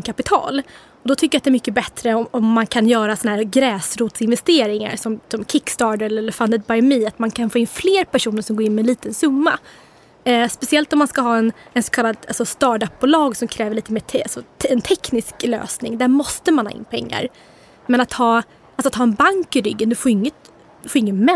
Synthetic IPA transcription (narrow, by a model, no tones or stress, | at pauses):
kʰapɪt̪ʰɑ̰ːl | ɔd̪ɔt̪ʰʏkːəɾjat̪d̪ɛɾmʏkːəbɛt̪ɾəɔɔmːankʰanjœːɾasɔnahæːɾɡɾɛːsɾuːt̪sɪnvɛst̪eːɾɪŋa̰ɾsɔmsɔmkʰɪkst̪ɑːɖəɾɛlːəlːəɾfand̪əd̪̚bajmiːat̪mankʰanfoːɪnfleːɾpʰæʂuːnəɾʂɔmɡoːɾɪnːmɪɛnliːt̪ənsɵmːa̰ | spɛsɪɛlt̪ɔmːanskaɦɑːɛnɛnsɔ̥kʰalːad̪alsɔst̪ɑːʈɖap̚ːbʊlɑːɡsɔmkʰɾɛːvəɾɭiːt̪əmeːt̪ʰasɔɛnt̪ʰɛknɪsklø̰ːsnɪŋd̪æɾmɔst̪əmanhɑ̰ːɪ̰nːpʰɛ̰ŋːa̰ɾ | mɛnat̪hɑː | alsat̪hɑːɛnbaŋkɪɾʏɡːənd̪ɵfoːɾʏŋːət̪ | d̪ɵfoːɾɪŋːənmɛ